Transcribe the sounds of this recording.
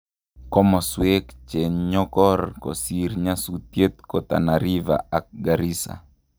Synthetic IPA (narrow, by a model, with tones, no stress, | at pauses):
kɔ˦mɔ˨swe˦kt͡ʃe˨ɲɲɔ˦kɔ˦rko̰si˨ɾɲa˦sut̪je˦t̪̚ko˨t̪a̰˨naɾi˦va̰˨a˨k̚ɡaɾi˦sa̰˨